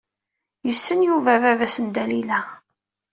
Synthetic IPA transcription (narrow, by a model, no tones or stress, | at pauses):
jəsːənjuvævævæsənd̪ælilæ